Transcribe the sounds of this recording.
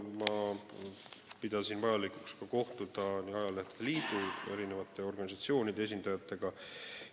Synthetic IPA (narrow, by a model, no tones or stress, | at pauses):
mɑ | pid̪̥ɑsinvɑjɑlikukskɑko̞ht̪ud̪ɑniɑjɑleht̪e̥d̪eliːd̪ue̞̰ɾine̞vɑt̪ːˑe̞o̞rɡ̥ɑnisɑt̪sio̞ːnid̪ees̬ind̪̥ɑjɑt̪ːˑe̞ɡ̥ɑ